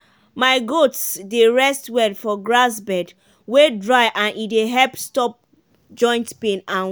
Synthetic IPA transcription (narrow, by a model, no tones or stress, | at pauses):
maɪɡotsdeɹɛstwɛdfɔɡɹasbɛd | wedɹaɪʔãnʔideɦɛlpstɔp̚ | d͡ʒɔ̃ɪ̃ntpẽnãn